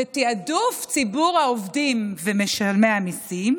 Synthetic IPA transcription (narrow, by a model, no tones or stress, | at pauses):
et̪iaduft͡sibuʁhaovdimvemeʃalmeamisim